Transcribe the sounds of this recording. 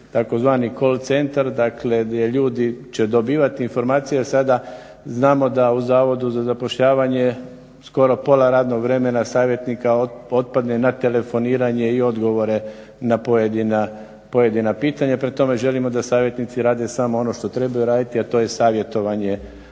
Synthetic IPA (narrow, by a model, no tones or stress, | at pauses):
t̪ako̞zʋaːniko̞lt̪se̞nt̪aɾd̪akle̞d̪jeʎuːd̪it͡ɕe̞d̪o̞biːʋat̪iːnfo̞ɾmaːt̪sijeasad̪a | znaːmo̞d̪auzaːʋo̞d̪uzazapo̞ʃʎaːʋaɲe̞ | sko̞ɾo̞po̞laɾaːd̪no̞ɡʋɾe̞me̞nasaːʋje̞t̪nikaoo̞t̪̚pad̪ne̞nat̪e̞le̞fo̞niːɾaɲe̞io̞d̪ɡo̞ʋo̞ɾe̞ | napojed̪ina | po̞je̞d̪inapiːt̪aɲapɾet̪ːo̞me̞ʒe̞limo̞d̪asaːʋje̞t̪nit̪siɾaːd̪e̞samoo̞no̞ʃt̪o̞t̪ɾe̞bajuɾaːd̪it̪iat̪o̞ːje̞saːʋje̞t̪o̞ʋaɲe